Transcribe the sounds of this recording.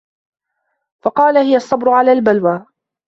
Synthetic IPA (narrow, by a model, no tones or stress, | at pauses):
fɑqɑːlahɪjasˤːɑbɾʊʕalaːlbalwaː